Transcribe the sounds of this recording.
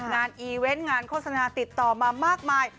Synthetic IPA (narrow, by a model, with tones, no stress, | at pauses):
ŋaː˧nʔiː˧we˦˥nŋaː˧nkʰo˥˩t̪̚sa˧naː˧t̪i˨˩t̪ːɔː˨˩maː˧maː˥˩k̚maː˧j